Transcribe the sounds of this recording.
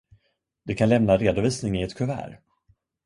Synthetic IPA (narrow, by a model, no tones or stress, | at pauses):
d̪ɛkʰanlɛmnaɾeːd̪ʊviːsnɪŋɪɛt̪kʰɵvæ̰ːɾ